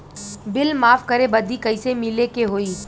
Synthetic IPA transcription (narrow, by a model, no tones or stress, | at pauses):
bɪlmaːfkɐɾebɐd̪ikɐisemɪlekeɦoːiː